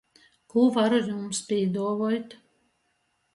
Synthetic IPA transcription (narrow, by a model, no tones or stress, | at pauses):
kuvaɾujumspʲiɛd̪uɔvɔjt̪